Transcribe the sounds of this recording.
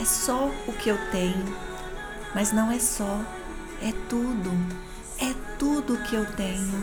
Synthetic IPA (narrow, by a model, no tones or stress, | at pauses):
ɛsɔʊkɪewt̪ẽɲʊ | mɐznɐ̃w̃ɛsɔ | ɛt̪ud̪ʊ | ɛt̪ud̪ʊkɪewt̪ẽɲʊ